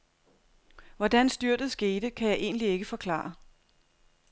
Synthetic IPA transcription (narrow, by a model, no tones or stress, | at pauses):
ʋɒd̥ænsd̥yɐ̰d̥ð̩ˠsɡ̥e̝ːd̥əkʰæjɑ̈ɪʔe̝̰ːnlie̝ɡ̥əfɒ̽kʰlɑ̰̈ːɐ